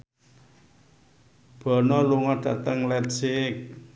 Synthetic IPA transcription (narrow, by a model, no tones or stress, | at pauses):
b̥ɔ̤nɔluŋɔɖ̥ä̤t̪əŋlɛtsɪk̚